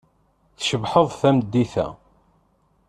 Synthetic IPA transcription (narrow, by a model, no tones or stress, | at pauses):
θʃəbħəðˤθæmd̪ːiθæ̰